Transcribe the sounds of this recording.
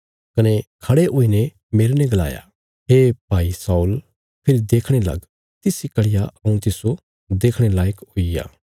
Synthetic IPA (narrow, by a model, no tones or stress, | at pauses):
kɐnekʰɐɽeʔoːinɛ | meːɾenɛ̃ɡɐla̰ːja̰ | ɦeːpaːisaːul | pʰɪɾid̪eːkʰɽ̃elɐ̰ɡ | t̪ɪsikɐɽɪjaɐũt̪ɪso | d̪eːkʰɽ̃elaːjkɦoija̰ː